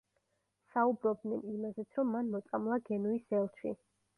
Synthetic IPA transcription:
saubɾɔb̚d̪nɛnimazɛt̪sʰɾɔmːanmɔt̪sʼamlˠaɡɛnuisɛlˠt̪ʰi

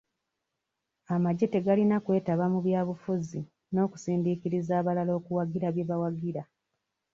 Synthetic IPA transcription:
amaɟe̞te̞ɡalinakwe̞ːtaβamuβjaːβufuzi | no̞ːku̥siːndikiɾizaːβalalo̞ːkuwaɡiɾaβjeβawaɡiɾa

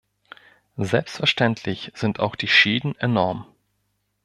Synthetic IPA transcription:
zɛlpstfɛɐʃtɛntʰlɪçz̥ɪntʰa̰ʊxd̥iːʃiːdn̩enɔɐm

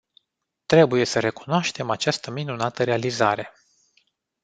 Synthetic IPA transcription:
t̪ɾe̞buje̞səɾe̞ku̥noaʃt̪e̞mat͡ʃast̪əminunat̪əɾe̞aliza̰ɾe̞

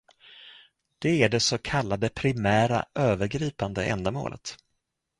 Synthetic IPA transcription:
d̪̥ɛæɖɛsokʰalːad̪əpʰɾɪmæːɾa̰ʔøːvəɾɡɾiːpand̪əʔɛ̰nd̪amo̰ːlʔə̰t̪

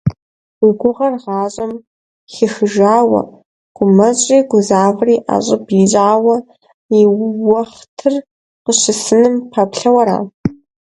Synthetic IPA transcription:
wiɡʷʊʁɐrʁɑːɕʼɐm | xɪxɨʒaːwɐ̰ | ɡ̥ʷʊmɐɕʼiːɡʷʊzaːvriːʔa̰ɕʼɪbiɕʼaːwɐ | iwɐχtʰɨr | qəʃɪsɨnɨmpʰapɬɐwɐɾa̰ː

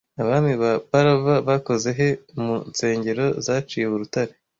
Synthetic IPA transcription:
aβaːndiβapaɾaβaβako̞ze̞ɦe̞munt͡se̞ːɲɟe̞ɾo̞zaːt͡ʃijeβuɾutaɾe

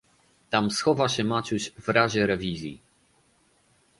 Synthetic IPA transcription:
t̪amsxɔvaɕɛmat͡ɕuɕvɾaʑɛɾɛvʲizʲjḭ

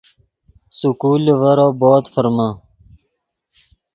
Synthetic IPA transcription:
sukuːleʋɐɾoboːt̪fəɾma

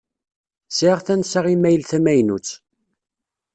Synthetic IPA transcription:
sɪʁθænsaʁimæjəlθæmæjnut͡sː

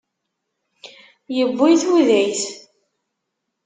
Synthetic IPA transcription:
jəbːʊjθuðæjθ

